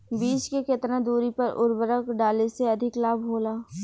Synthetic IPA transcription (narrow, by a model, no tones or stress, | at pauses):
biːt͡ʃkeket̪nãd̪uːɾipɐɾʔʊ̰ɾbəɾəkɖaːleseɐd̪ʱɪklaːbɦoːlaː